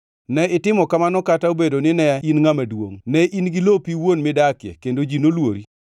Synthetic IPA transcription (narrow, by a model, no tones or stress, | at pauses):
nɛɪtɪmɔkamanɔkataobedonɪnɛinŋamadwo̰ŋnɛʔinɡilopiwonmɪdakɪɛ̰kendod͡ʒinolwoɾi